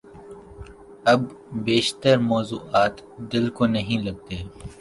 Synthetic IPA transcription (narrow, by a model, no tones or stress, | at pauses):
ɐbbeːʃt̪əɾmɔːzuːʔaːt̪d̪ɪlkonɐɦĩlɐɡ̚t̪eː